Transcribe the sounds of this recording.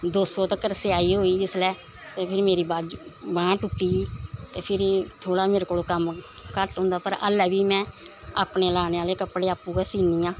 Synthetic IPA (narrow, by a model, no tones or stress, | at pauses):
d̪oːsoːt̪əkəɾseaːiːɦoːiːd͡ʒɪslɛː | t̪eːpʰɪɾmeːɾiːbaːd͡ʒbãːʈʊkːiːiːt̪eːpʰɪɾt̪ʰoːɽaːmeːɾekoːloːkəm | kəʈɦʊ̃ːnd̪aːpəɾə̰lɛːbiːmɛ̃ː | a̰ːpneːlaːneːaːleːkəpɽeːaːpːuːɛːsiːniːãː